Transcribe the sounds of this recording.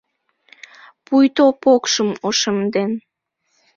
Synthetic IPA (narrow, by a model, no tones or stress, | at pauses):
pujt̪opokʃəmoʃəmd̪en